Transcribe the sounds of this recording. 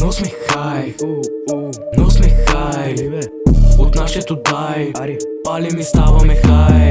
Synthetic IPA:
nɔsmɛxaj | nɔsmɛxaj | ɔt̪naʃɛt̪ud̪ajpalimist̪avamɛxaj

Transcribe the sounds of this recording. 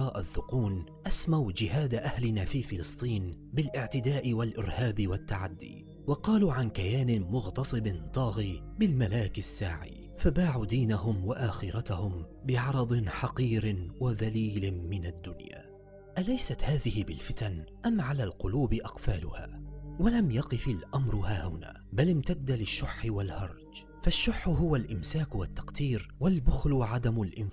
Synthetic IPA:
ɑːʔaθːʊquːnʔasmawd͡ʒɪhaːd̪aʔahlɪnaːfiːfɪlɨsˤt̪ˤiːnbɪlʔɪʕt̪ɪd̪aːʔɪwalʔɪɾhaːbɪwat̪ːaʕad̪ːḭː | wɑqɑːluːʕankajaːnɪmʊɣt̪ɑsˤɨbɪnt̪ˤɑːɣiː | bɪlmalaːkɪsːa̰ːʕḭː | fabaːʕuːd̪iːnahʊmwaʔaːxɪɾat̪ahʊm | bɪʕɑɾˤɑd̪ˤnħɑqiːɾɪwaðaliːlɪmɪnad̪ːʊnja̰ː | ʔalajsat̪haːðɪhɪbɪlfɪt̪anʔamʕalaːlqʊluːbɪʔɑqfaːlʊha̰ːwalamjɑqɨfalʔamɾˤʊhaːhʊna̰ːbalɪmt̪ad̪ːalɪʃːʊħːɪwalhɑɾˤd͡ʒ | faʃːʊħːʊɦʊwalʔɪmsaːkwat̪ːɑ̥qt̪iːɾwalbʊxlʊʕad̪amʊlʔɪn

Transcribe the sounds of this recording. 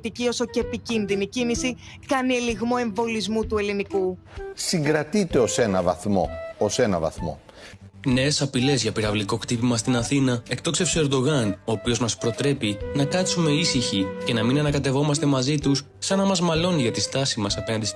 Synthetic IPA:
t̪icio̞so̞ceepicinðinicinisi | kɐnieliɣmoe̞ɱvo̞lizmut̪ue̞liniku | siŋɡɾɐt̪it̪e̞o̞se̞nɐvɐ̰θmo̞̰ose̞nɐvɐ̰θmo̰ | ne̞ːsɐpile̞zʝɐpiɾɐvliko̞kt̪ipimɐst̪inɐθinɐe̞k̚t̪o̞kse̞fsoeɾd̪o̞ɣɐno̞ːpio̞zmɐspɾo̞t̪ɾe̞pinɐkɐt̪sume̞isiçice̞nɐminɐnɐkɐt̪e̞vo̞mɐst̪e̞mɐzit̪usːɐnɐmɐzmɐlo̞niʝɐt̪ist̪ɐsimɐsɐpe̞nɐnd̪is

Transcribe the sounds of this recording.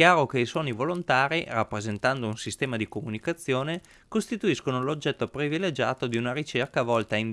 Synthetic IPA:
kjaːɾokeiswɔːnivolont̪aːɾirapːɾezent̪and̪ounsist̪ɛːmad̪ikomunikat̪sːjoːne | kost̪it̪uiskonolod͡ʒːɛt̪ːopɾiviled͡ʒa̰ːt̪od̪iunaɾit͡ʃerkavɔlt̪ain

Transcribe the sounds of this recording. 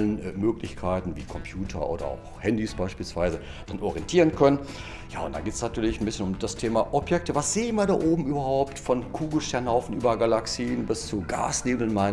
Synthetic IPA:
lənmøːklɪçkʰaɪtn̩viːkʰɔmpʰjuːtʰɐ̰ʔo̰ːdɐ̰a̰ʊxhɛndisb̥aɪʃpiːlsv̥aɪzə | d̥anʔɔʁiɛntʰiːʁ̞ənkʰœnən | ja̰ːʊ̰ntd̥a̰ɡeːtsnatʰyːɐlɪçn̩bɪsçənʊmd̥astʰeːmaʔɔpjɛk̚təvasz̥eːnviːɐdaːʔoːbm̩ʔyːbɐhaʊptfɔnkʰuːɡl̩ʃtɛɐnhaʊfn̩ʔyːbɐɡalaksiːnbɪst͡suɡa̰ːsneːbl̩nmaɪ

